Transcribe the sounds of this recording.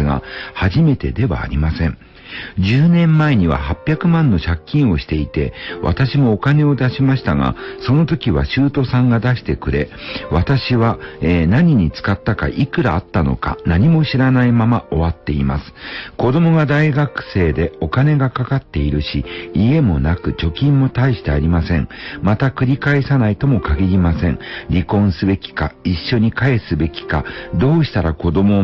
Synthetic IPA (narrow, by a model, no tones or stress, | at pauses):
ɡa̰haʑime̞t̪e̞d̪e̞βa̰ːɾʲimasẽ̞ŋ | d͡ʑɨːnẽ̞mːae̞ɲ̟iβa̰hapʲːjakɯ̟mãnːo̞ɕakʲːĩɰ̃o̞ɕi̥t̪e̞it̪e̞βʔa̰t̪aɕimo̞ːkane̞o̞d̪aɕimaɕi̥t̪aɡa̰so̞no̞t̪o̞kʲiβa̰ɕɨːt̪o̞sãŋɡad̪aɕi̥t̪e̞kɯ̟ɾe̞βat̪aɕiβaeːnaɲ̟iɲ̟it͡sɨ̥kat̪ːaka̰ʔikɯ̟ɾaːt̪ːano̞̰ka̰naɲ̟imo̞ɕiɾanaimamaʔo̞βat̪ːe̞ima̰sɨ̥ko̞d̪o̞mo̞ɡad̪aiɡakɯ̟̥se̞ːd̪e̞o̞kane̞ɡakakat̪ːe̞iɾɯ̟ɕiːe̞mo̞nakɯ̟t͡ɕo̞kʲĩmːo̞t̪aiɕi̥t̪e̞aɾʲimasẽ̞̰ŋmat̪akɯ̟ɾʲikaesanait̪o̞mo̞kaɡʲiɾʲimasẽ̞ŋɾʲikõ̞ɰ̃sɨbe̞kʲi̥kaiɕːo̞ɲ̟ikae̞sɨbe̞kʲi̥kad̪o̞ːɕi̥t̪aɾako̞d̪o̞mo̞